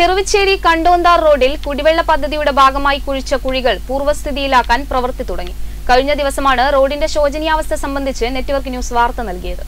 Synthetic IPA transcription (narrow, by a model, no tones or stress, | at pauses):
t̪erɨʋit͡ɕːe̞ːɽikɐɳɖo̞ːnd̪aːrro̞ːɖilkuɽiʋeɭːɐpɐd̪ʱːɐðijuɽe̞bʱaːɡɐmaːjikuɻit͡ɕːɐkuɻiɣɐɭpuːrʋɐst̪ʰiðijilaːkːaːnprɐʋɐrt̪it̪uɽɐŋːi | kɐɻiɲːɐd̪iʋɐsɐmaːɳɨro̞ːɖinde̞ɕo̞ːd͡ʑɐnijaːʋɐst̪ʰɐsɐmbɐnd̪ʱit͡ɕːɨne̞tːuʋɐrknjuːsʋaːrt̪ɐnɐlkijɐðɨ̰